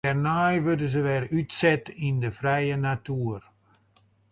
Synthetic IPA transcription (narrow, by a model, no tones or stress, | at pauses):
ɛrnajʋødəzəʋɛrytsɛtindəfrɛjənatuːər